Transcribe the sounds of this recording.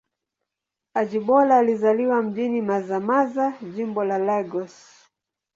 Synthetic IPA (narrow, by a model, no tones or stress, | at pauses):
ad͡ʒiɓɔlaːlizaliwam̩ʄinimazamazaʄimbɔlalɛɡɔs